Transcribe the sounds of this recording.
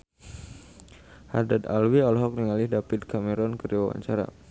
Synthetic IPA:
ha̰d̪ad̪a̰lwiɔlɦɔk̚niŋalɪhdapit̪̚kamɛɾɔnkərd͡ʒiwa̰wa̰ɲt͡ʃaɾa̰

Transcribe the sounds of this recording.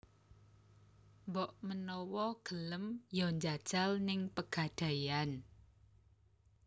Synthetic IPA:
mbɔʔmənɔwɔɡ̥ələmjɔɲd͡ʒad̥ʒ̥alnɪŋpəɡ̥a̤d̥a̤jan

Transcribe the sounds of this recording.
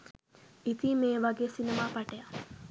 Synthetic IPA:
it̪iːmeːʋaɡeːsinemaːpaʈeja

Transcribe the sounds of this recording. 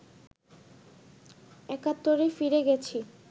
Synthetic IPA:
ɛkat̪ːoɾefiɾeɡɛt͡ɕʰi

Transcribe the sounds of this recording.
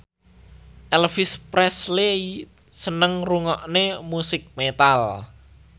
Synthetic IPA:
ʔɛlfɪspɾɛslei | sənəŋruŋɔʔnemusɪk̚met̪al

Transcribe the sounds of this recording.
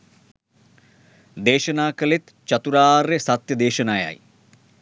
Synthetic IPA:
d̪eːʃɐnaːkɐlet̪ | t͡ʃɐt̪uɾaːrːesɐt̪jɐd̪eːʃɐnaːja̰ːj

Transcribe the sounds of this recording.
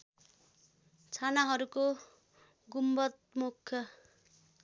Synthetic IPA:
t͡sʰanaɦʌɾuko | ɡumbʌt̪̚mukʰːjʌ

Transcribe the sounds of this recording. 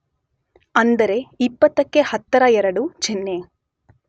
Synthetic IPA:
ɐnd̪ɐɾe̞ipːɐt̪ːɐkːehɐt̪ːɐɾɐɛɾɐɽut͡ʃinːe

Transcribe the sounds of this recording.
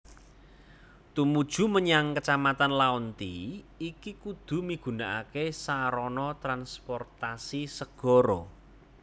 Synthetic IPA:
t̪umud̥ʒ̥ṳməɲaŋkət͡ʃamat̪anlaunt̪i | ikikud̪̥ṳmiɡ̥ṳnaʔakesaɾɔnɔt̪ɾanspɔrt̪asisəɡ̥ɔ̤ɾɔ

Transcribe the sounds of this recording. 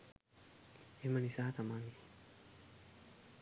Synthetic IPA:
emanisaːt̪amaŋɡi

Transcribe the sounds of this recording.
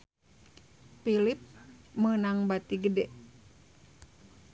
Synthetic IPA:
pilip̚mənaŋbat̪iɡədɛ

